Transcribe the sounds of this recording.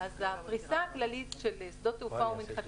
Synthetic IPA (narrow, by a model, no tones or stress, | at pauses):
azapʁisaːklalit̪ʃelesd̪o̞t̪ːeufaominχat